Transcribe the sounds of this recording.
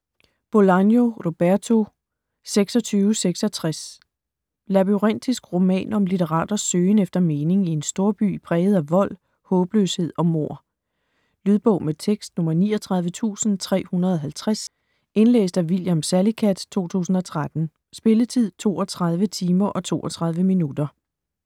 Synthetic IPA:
b̥o̝lɑnjo̝ʁo̝b̥æɐt͡sʰo̝ | seɡ̥sɒ̽t͡sʰyːʊəseɡ̥sɒ̽t͡sʰʁas | læb̥yʁen̰d̥isɡ̥ʁo̝mɛ̰ːnɒ̽mlit͡sʰeʁɑ̰̈ːd̥ɐsøːnefd̥ɐme̝ːne̝ŋie̝nsd̥o̝ɐb̥y̰pʰʁɛːð̞̩ˠæʋɒ̽l̰ | hɔ̽ːb̥løshe̝ð̞̰ˠɒ̽mo̝ɐ̰ | lyð̞ˠb̥ɔ̽ʊmet͡sʰeɡ̥sd̥nɔ̽mɐniːɒt͡sʰʁɑ̈ð̞ˠʋət͡sʰṵːsn̩t͡sʰʁɛ̰ːhunɐðˠɒ̽ɦælt͡sʰʁas | e̝nlḛːsd̥æʋiljæmsælikʰæd̥t͡sʰo̝̰ːt͡sʰṵːsn̩ɒ̽t͡sʰʁad̥n̩ | sb̥e̝lət͡sʰið̞̰ˠt͡sʰo̝̰ːɒt͡sʰʁɑ̈ð̞ˠʋət͡sʰiːmɐʔɒ̽t͡sʰo̝̰ːɒt͡sʰʁɑ̈ð̞ˠʋəminud̥ɐ

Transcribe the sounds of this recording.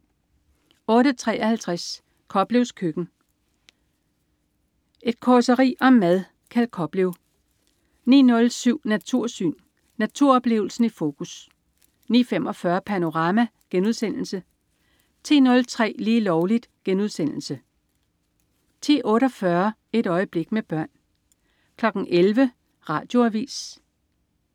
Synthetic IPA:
ɔ̽ːɾət͡sʰʁɛ̰ːʔɒ̽hælt͡sʰʁas | kʰɒ̽b̥le̝ʊskʰøɡ̥n̩ | ʔe̝d̥kʰɒsəʁḭːʔɒ̽mːæðˠ | kʰælkʰɒ̽b̥le̝ʊ | nḭːnɔ̽lsyʊ̰næt͡sʰuɐ̰sy̰ːnː | æt͡sʰuɐɒ̽b̥le̝̰ːʊl̩sn̩ifo̝ːkʰus | nḭːfem̰ɒ̽fɶːɐpʰæno̝ʁɑ̈mæɡ̥enuð̞ˠsen̰l̩sə | t͡sʰḭːnɔ̽lt͡sʰʁɛ̰ːliːlɒʊlid̥ɡ̥enuð̞ˠsen̰l̩sə | t͡sʰḛːʔɔ̽ːɾɒ̽fɶɐ | e̝ɾ̥ɒ̽ɪəb̥le̝ɡ̥meb̥ɶɐ̰n | kʰlɒ̽ɡ̥n̩ʔelʋə | ʁɑ̈ːd̥jo̝æʋḭːs

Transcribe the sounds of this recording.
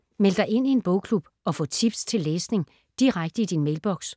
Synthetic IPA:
mel̰d̥ɑ̈ɪe̝n̰ie̝nb̥ɔʊkʰlub̥ | ɒ̽fɔ̰̽ːt͡sʰib̥st͡sʰe̝lːeːsne̝ŋ | d̥iʁaɡ̥̚d̥əid̥inmeɪlb̥ɒ̽ɡ̥s

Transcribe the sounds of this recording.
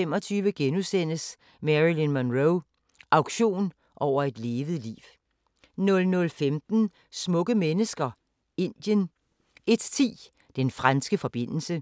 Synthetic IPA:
emɒ̽t͡sʰyːʋəɡ̥enusen̰əs | mæʁilinmænʁoʊ | ʔɑ̈ʊ̥ɕo̝̰ːn | ʔɒʊ̰ɐe̝d̥le̝ːʋəð̩ˠlḭːʊ | nɔ̽lnɔ̽lfemd̥n̩ | smɔ̽ɡ̥əmenəsɡ̥ɐ | e̝nd̥jən | e̝d̥t͡sʰḭː | d̥enfʁansɡ̥əfɒ̽b̥e̝n̰l̩sə

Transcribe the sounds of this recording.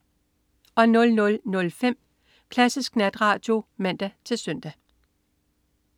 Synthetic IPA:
ʔɒ̽nɔ̽lnɔ̽lnɔ̽lfem̰ | kʰlæsisɡ̥næd̥ʁɑ̈ːd̥jo̝mæn̰d̥æt͡sʰe̝lsœn̰d̥æ

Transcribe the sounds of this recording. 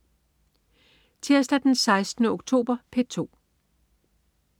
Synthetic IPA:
t͡sʰeɐsd̥æd̥ensɑ̈ɪsd̥nəoɡ̥̚t͡sʰo̝̰ːb̥ɐpʰet͡sʰo̝̰ː

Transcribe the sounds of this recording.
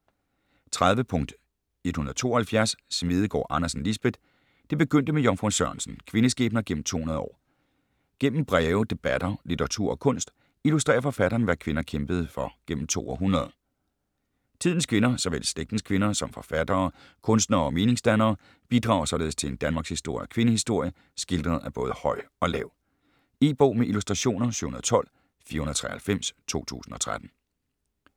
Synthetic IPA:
t͡sʰʁaðˠʋəpʰɔ̽ŋ̰d̥ | ed̥hunɐðˠt͡sʰo̝̰ːɐhælfjæɐsːmið̞ˠəɡ̥ɒ̰ːʔɑ̈nɐsn̩lisb̥ed̥ | d̥e̝b̥e̝ɡ̥øn̰d̥əmejɒnfʁusɶɐnsn̩kʰʋe̝nəsɡ̥ḛːb̥nɐɡ̥en̰m̩t͡sʰo̝̰ːhunɐð̞ˠɒ̰ː | ɡ̥en̰m̩b̥ʁɛʊd̥e̝b̥æd̥ɐlit͡sʰɐʁɑ̈t͡sʰṵɐ̰ɒ̽kʰɔ̽n̰sd̥ | ilus̬d̥ʁḛːɐfɒ̽fæɾ̥ɐːn̩ʋækʰʋe̝nɐkʰemb̥əð̞̩ˠfɒ̽ɡ̥en̰m̩t͡sʰo̝̰ːɒɦunɐð̞ˠ | t͡sʰiðˠn̩skʰʋe̝nɐsɒ̽ʋel̰sleɡ̚d̥n̩skʰʋe̝nɐsɒ̽mfɒ̽fæd̥ɐː | kʰɔ̽nsd̥nɐɒ̽me̝ːne̝ŋsd̥ænɐː | b̥id̥ʁɑ̰̈ːʊsɒ̽le̝ð̩ˠst͡sʰe̝e̝nd̥ænmɑ̈ɡshisd̥o̝ɐ̰jɒkʰʋe̝nəhisd̥o̝ɐ̰jə | sɡ̥ild̥ʁɐð̩ˠæb̥ɔ̽ːðˠəhɒ̽ɪ̰ɒ̽lɛ̰ʊ | eːb̥ɔ̰ːmeʔilusd̥ʁɑ̈ɕo̝̰ːnɐɕy̰ːhunɐð̩ˠt͡sʰɒ̽l̰ | fiːɐhunð̩ˠt͡sʰʁɛ̰hælfem̰st͡sʰo̝̰ːt͡sʰṵːsn̩ɒ̽t͡sʰʁad̥n̩

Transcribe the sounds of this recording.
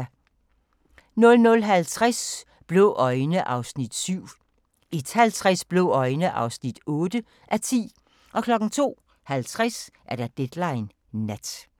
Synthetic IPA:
nɔ̽lnɔlɦælt͡sʰʁas | b̥leʔɒ̽ɪnəʔɑ̈ʊsnid̥syʊ̰ | id̥hælt͡sʰʁasb̥lo̝ɒ̽ɪnəʔɑ̈ʊsnid̥ɔːd̥ə | ʔæt͡sʰḭː | ʔɒ̽kʰlɒ̽ɡ̥n̩t͡sʰo̝̰ː | hælt͡sʰʁasʔæɐd̥ɑ̈d̥ed̥lɑ̈ɪnː | æd̥

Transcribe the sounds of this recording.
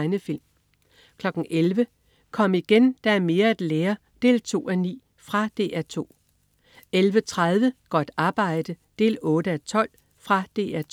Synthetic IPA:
ɪnəfil̰m | kʰlɒ̽ɡ̥n̩ʔelʋə | kʰɒ̽m̰əiɡ̥end̥ɑ̈æɐme̝ːɐæd̥leːɐ | d̥e̝̰ːlt͡sʰo̝̰ːænḭː | fʁɑ̈d̥e̝ːʔæɐt͡sʰo̝̰ː | elʋət͡sʰʁað̞ˠʋəɡ̥ɒd̥ɑ̈ːb̥ɑ̈ɪ̰d̥əd̥e̝̰ːlɔ̽ːɾəæt͡sʰɒ̽l̰ | fʁɑ̈d̥e̝̰ːæ

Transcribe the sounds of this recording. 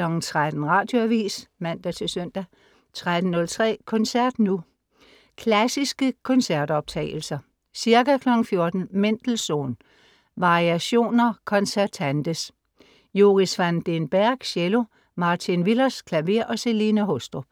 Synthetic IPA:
lɒ̽ɡ̥n̩t͡sʰʁad̥n̩ʁɑ̈ːd̥jo̝æʋḭːsmæn̰d̥æt͡sʰe̝sœn̰d̥æ | t͡sʰʁad̥n̩ːɔ̽lt͡sʰʁɛ̰ːkʰɔ̽nsæɐd̥nu | kʰlæsisɡ̥əkʰɔ̽nsæɐd̥ɒ̽b̥̚t͡sʰɛ̰ːɪl̩sɐ | siɐɡ̥ækʰlɒ̽ɡ̥n̩fjo̝ɐd̥n̩men̰d̥l̩so̝̰ːn | ʋɑ̈ʁiæɕo̝̰ːnɐkʰɒ̽nsæɐt͡sʰænd̥əs | jo̝ʁisʋænd̥enb̥æɐ̰ɡ̥ɕelo̝ | mɑ̈t͡sʰinʋilɐskʰlæʋe̝ɐ̰ʔɒ̽se̝linæɦɔsd̥ʁob̥

